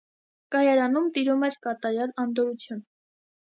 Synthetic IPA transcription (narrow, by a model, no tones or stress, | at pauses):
kɑjɑɾɑnumt̪iɾumɛɾkɑt̪ɑɾjɑlɑnd̪ɔɾut͡sʰjun